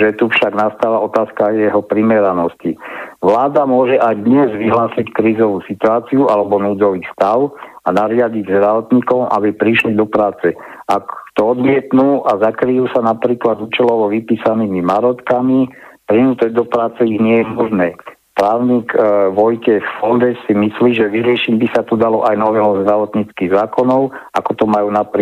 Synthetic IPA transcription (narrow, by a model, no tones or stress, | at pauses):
ʒɛt̪ufʃaɡnast̪aːlaɔt̪aːskajɛɦɔpɾimɛɾanɔscḭʋlaːd̪amʊɔʒɛʔajd̪ɲɛzʋiɦlaːsickɾiːzɔʋusit̪uaːt͡siuʔalɛbɔnuːd͡zɔʋiːst̪aʊ | anaɾɪaɟiɟzd̪ɾaʋɔt̪ɲiːkɔmʔa̰bipɾiʃlid̪ɔpɾaːt͡sɛ | akt̪ɔɔd̪mɪɛt̪nuːʔazakɾijuːsanapɾiːklad̪uːt͡ʃɛlɔʋɔʋipiːsaniːmimaɾɔt̪kamipɾinuːt̪ɔɟd̪ɔpɾaːt͡sɛiɣɲɪɛjɛmɔʒnɛː | pɾaːʊɲiːkʋɔjcɛffɔnd̪ɛsimisliːʒɛʋiɾɪɛʃiɟbisat̪ud̪alɔʔajnɔʋɛlɔzd̪ɾaʋɔt̪ɲit͡skiːɣzaːkɔnɔʊakɔt̪ɔmajuːnapɾi